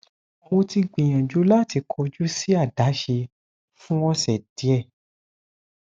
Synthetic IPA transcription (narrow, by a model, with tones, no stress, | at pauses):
õ˧ti˧ɡ͡bĩ˨j̃ã˨d͡ʒu˨˦la˦ti˧˦kʰɔ˧d͡ʒu˦si˦a˦˨da˨˦ʃe˧ | fũ˦wɔ̃˦sɛ˨d̥i˨˦ɛ˦˨